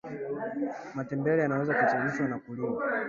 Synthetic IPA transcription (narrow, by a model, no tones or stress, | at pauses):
matɛmbɛɾɛjanawɛzakut͡ʃaɾiʃwanakulima